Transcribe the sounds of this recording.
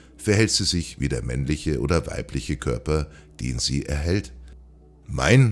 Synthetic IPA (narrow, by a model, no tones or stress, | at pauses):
fɛɐɦɛltz̥iːzɪçviːdeːɐmɛnlɪçəʔo̰ːdɐva̰ɪplɪçəkʰœɐpɐd̥ḛːnzḭːʔɛ̰ɐɦɛlt | ma̰ɪn